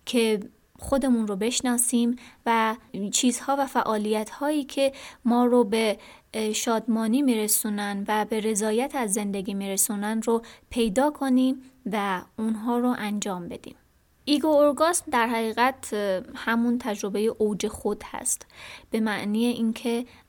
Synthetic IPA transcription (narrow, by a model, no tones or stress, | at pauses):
cʰe̞ | xo̞d̪e̞muːnrobe̞ʃnɒːsiːmvæt͡ʃʰiːz̥hɒːvæfæʔɒːlijæt̪ʰhɒːjiːcʰemɒːɾobe̞ʃɒːd̪mɒːniːmiːɾesuːnænvæbe̞ɾe̞zɒːjæt̪ʰæzːe̞nd̪eɡiːmiɾe̞sunænropʰe̞jd̪ɒːkʰo̞niːmvæunɦɒːɾoʔænd͡ʒɒːmbe̞d̪̥ḭːm | iɡoːɾɡɒːsmd̪æɾɦæɣiːɣæt̪ʰhæmunt̪ʰæd͡ʒɾo̞be̞jeʔowd͡ʒe̞xod̪̥hæ̰st̪b̥e̞mæʔniːjeʔiːncʰe̞